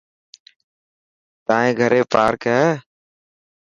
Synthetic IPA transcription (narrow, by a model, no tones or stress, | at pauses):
t̪aːẽːɡʱəɾeːpaːɾkɦɛː